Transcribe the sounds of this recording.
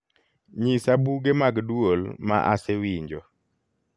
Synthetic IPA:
ɲisabuɡemaɡdwolma̰ʔa̰sɛwiɲd͡ʒɔ

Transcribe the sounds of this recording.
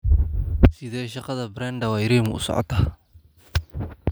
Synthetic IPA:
sɪðɛːʃɑqɑðɐbɾand̪ɐwɑːjɪɾiːmʊ̰ʊ̰sɔ̰ʕɔ̰t̪ʰaː

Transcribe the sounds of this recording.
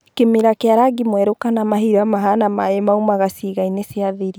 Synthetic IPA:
kemiɾakeaɾaɡimwɛɾokanamaɦiɾamaɦanamaemaumaɣasiɣaineseaðeɾi

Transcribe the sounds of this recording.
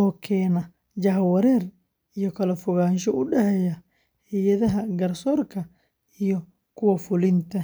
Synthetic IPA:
ɔːkʰɛːnɐ | d͡ʒɐhwɐɾɛːr | ijɔkɐlɐfʊɣaːnʃɔʊɖɛhɛjɐ | hɪjɐðɐɦɐɡɐɾsɔːrkʰɐ | ijɔ | kʰʊwɐfʊlɪnt̪ʰɐ

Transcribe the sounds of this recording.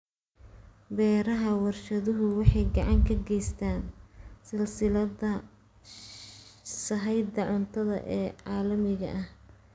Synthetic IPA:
bɛːɾɐɦɐwɑrʃɐðʊɦʊwɑħɑjɡɑʕɑŋkʰɐɡɛjst̪ʰaːnsɪlsɪlɐðɐ | sɐɦɛjd̪ɐʕʊnt̪ʰɐðɐ̰ʔɛːʕɑːlɐmɪɣɐ̰ʔɐh

